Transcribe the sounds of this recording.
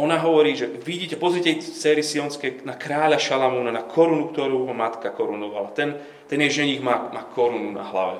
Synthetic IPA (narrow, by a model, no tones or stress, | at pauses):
ɔnaɦɔʋɔɾiːʒɛʋiɟiːcɛpɔzɾiɛcɛt͡sɛːɾisiɔnskɛjnakɾaːʎaʃalamuːnanakʰɔɾunukt̪ɔɾuːɦɔmat̪kakɔɾunɔʋa̰lat̪ɛn | t̪ɛnjɛʒɛɲiɣmaːmaːkʰɔɾununa̰ɦla̰ʋɛ̰